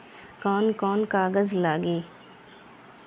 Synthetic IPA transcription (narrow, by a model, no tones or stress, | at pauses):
kɔːnkɔːnkaːɡəzlaːɡiː